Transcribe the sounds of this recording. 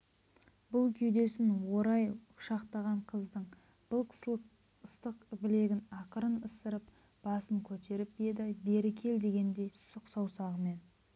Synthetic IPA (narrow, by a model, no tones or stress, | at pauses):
bʊlˠkʲʰʏjd̪e̞sɪnwo̞ɾɑjʊʃɑqt̪ɑʁɑɴqʰəzd̪əɴ | b̥ʊlˠ | əst̪əqbɪle̞ɡʲɪnɑqəɾənəst̪əɾəp̚ | b̥ɑsəŋkʲʰɵt̪e̞ɾɪp̚je̞d̪ɪbe̞ɾɪkʲʰe̞ld̪e̞ɡʲe̞nd̪e̞jsʊqsɑwsɑʁəme̞n